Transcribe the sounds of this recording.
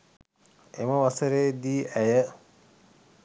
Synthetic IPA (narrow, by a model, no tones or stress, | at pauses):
ḛməʋasəɾeːd̪iːʔæjə